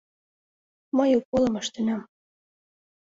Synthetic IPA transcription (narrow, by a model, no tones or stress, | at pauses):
mɤjukːolɤ̆mɤ̆ʃt̪ĕnɑm